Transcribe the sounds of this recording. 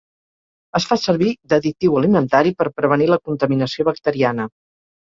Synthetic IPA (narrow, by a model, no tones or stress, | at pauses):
əsfasəɾβid̪əðit̪iwəlimənt̪aɾipəɾpɾəβ̞əniləkunt̪əminəsioβək̚t̪əɾianə